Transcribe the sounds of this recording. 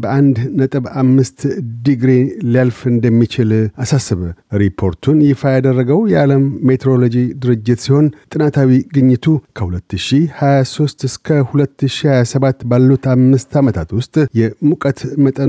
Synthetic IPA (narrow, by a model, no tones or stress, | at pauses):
bəʔand̪nət̪ʼɨβamːɨst̪d̪iɡɾilialfɨnd̪əmːit͡ʃɪlasasːɨβəɾipʰo̞ɾt̪ʰunjɪfajad̪ərːəɡəwjɛaləmːet̪ʰeɾolo̞d͡ʒid̪ɨɾɨd͡ʒːɪt̪siho̞nt̪ʼɨnat̪ʰawiɡɨɲːɨt̪ʰukʰəhulət̪ːɨʃihajaso̞st̪ɨskʰəhulət̪ːɨʃihajasəβat̪ːbalːut̪amːɨst̪ʰamət̪ʰat̪wʊst̪ʼjɛmukʼət̪mət̪ʼə